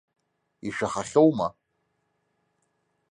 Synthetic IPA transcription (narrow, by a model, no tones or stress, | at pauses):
iʂᶣaχaχʲowma